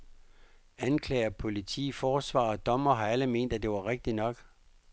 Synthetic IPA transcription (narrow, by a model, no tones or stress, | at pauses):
ænkʰlɛ̰ːɐpʰo̝lit͡sʰḭːfɒːsʋɑ̰̈ːɒd̥ɒ̽mɐɦɑ̈æləme̝̰ːn̰d̥æd̥e̝ʋɑ̈ʁeɡ̥̚d̥inɒ̽ɡ̥